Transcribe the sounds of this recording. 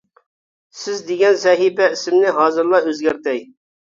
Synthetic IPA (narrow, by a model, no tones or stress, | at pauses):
sɪzd̪eɡʲɛnzɛɦibɛisɪmnɪɦɑːzɨɾlˠɑøzɡʲæɾt̪ɛj